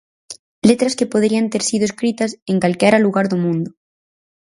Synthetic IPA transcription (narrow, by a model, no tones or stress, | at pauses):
let̪ɾaskepoðɾiant̪eɾsiðoeskɾit̪asẽŋkalkeɾaluɣaɾðomũnd̪o